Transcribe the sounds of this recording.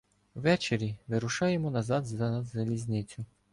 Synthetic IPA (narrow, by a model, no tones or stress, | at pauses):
ʋɛt͡ʃeɾʲiʋɪɾʊʃɑjemɔnɐzɑd̪zɐnɐd̪zɐlʲizʲnɪt͡sʲʊ